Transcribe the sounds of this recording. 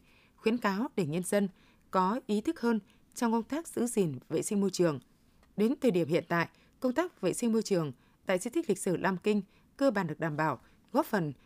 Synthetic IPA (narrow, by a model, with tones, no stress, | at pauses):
xwi˧˦ənkaː˨˦wɗe˧˩ɲə˧nzə˧n | kɔ˨˦ʔi˨˦t̪ʰɨ˦˥k̚həː˧n | t͡ɕɔ˧wŋ͡mkə˧wŋ͡mt̪aː˦˥k̚z̥ɨ̰˧˥zi˨˩nvḛ˧˨sï˧ŋ̟mo˧jt͡ɕɨ˨˩əŋ | ɗe˨˦nt̪ʰəː˨˩ɗi˧˩əmhḭ˧˨ənt̪a̰ː˧˨j | kə˧wŋ͡mt̪aː˦˥k̚vḛ˧˨sï˧ŋ̟mo˧jt͡ɕɨ˨˩əŋ | t̪a̰ː˧˨jt͡ɕi˧t̪ʰi˦˥li˨˩k̟̚sɨ˧˩lʔaː˧mkï˧ŋ̟ | kəː˧ɓaː˨˩nɗɨ˨˩əɗaː˧˩mɓaː˧˩w | ɣɔ˦˥fə˨˩n